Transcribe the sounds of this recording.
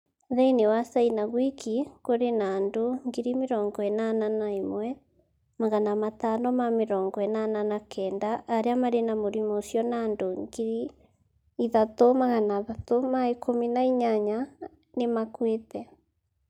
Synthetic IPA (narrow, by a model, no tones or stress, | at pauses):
ðɛinewasainaɣwikʰikoɾenaːndoŋɡiɾimeɾɔːŋɡɔɛnananaimwɛ | maɣanamatanɔmameɾɔːŋɡɔɛnananakʰɛːndaʔːɾeamaɾenamoɾimoʃjɔnandoŋɡiɾi | iðatomaɣanaðatomaekʰominaiɲaɲa | nemakwetɛ